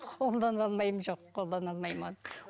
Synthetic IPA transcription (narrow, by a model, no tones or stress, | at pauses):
qʰo̞lˠd̪ɑnɑlˠmɑjəmʒoqʰːolˠd̪ɑnɑlˠmɑjmɑn